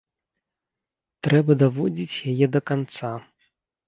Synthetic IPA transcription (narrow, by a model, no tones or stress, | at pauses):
t̪ɾɛbɐd̪avɔd͡zʲit͡sʲjajɛd̪ɐkant̪sa